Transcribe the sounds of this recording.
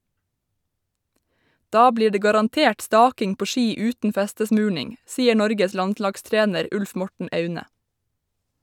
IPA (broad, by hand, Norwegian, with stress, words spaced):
ˈdɑː ˈbliː ˈɖeː ɡɑɾɑnˈteːʈ ˈstɑːkɪŋ ˈpoː ˈʃiː ˈʉːtn̩ ˈfæstəˌsmʉːɳɪŋ ˈsiːə ˈɳɔɾɡəs ˈlɑntˌlɑɡˌstɹeːnəɾ ˈʉlf ˈmɔʈɳ̩ ˈœʉnə